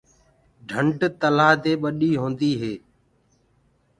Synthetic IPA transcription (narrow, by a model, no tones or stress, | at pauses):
ɖʱəɳʈt̪əlaːɦt̪eːɓəɗiːɦõːnd̪iːɦeː